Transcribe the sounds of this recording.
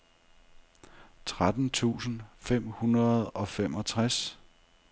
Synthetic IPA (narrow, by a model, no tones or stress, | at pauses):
t͡sʰʁad̥n̩t͡sʰṵːsn̩fem̰hunʁɐð̩ˠɒ̽fem̰ɒ̽t͡sʰʁas